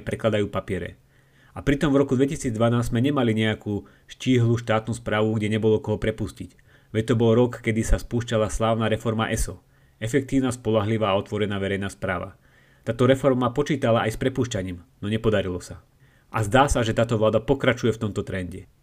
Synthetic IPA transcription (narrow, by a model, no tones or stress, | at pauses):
pɾɛklad̪ajuːpapɪɛɾɛ̰ | apɾit̪ɔmvɾɔkud̪ʋɛcisiːd͡zd̪ʋanaːzzmɛɲɛmaliɲɛakuː | ʃciːɦluːʃt̪aːt̪nuːspɾaːʋuɡɟɛɲɛbɔlɔkɔɦɔpɾɛpuscic | ʋɛc̚t̪ɔbɔlɾɔkːɛd̪isaspuːʃcalaslaːʊnaːɾɛfɔɾmaʔɛsɔ | ɛfɛk̚t̪iːʊnaspɔlaɦliʋaːɔt̪ʋɔɾɛnaːʋɛɾɛjnaːspɾaːʋa̰ | t̪aːt̪ɔɾɛfɔɾmapɔt͡ʃiːt̪alaajspɾɛpuːʃcaɲiːmnɔɲɛpɔd̪aɾilɔsa | ʔazd̪aːsaʒɛt̪aːt̪ɔʋlaːd̪apɔkɾat͡ʃujɛft̪ɔmt̪ɔt̪ɾɛnɟɛ